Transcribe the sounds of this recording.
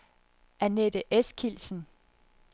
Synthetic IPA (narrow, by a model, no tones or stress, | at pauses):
ʔæned̥əʔeskʰilsn̩